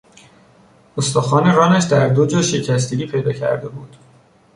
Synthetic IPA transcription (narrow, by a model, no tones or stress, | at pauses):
ost̪ɒːxɒːne̞ɾɒːnæʃd̪æɾd̪o̞d͡ʒɒːʃe̞cʰæst̪ʰiɾiːpʰe̞jd̪ɒːcʰæ̰ɾd̪e̞buːd̪̥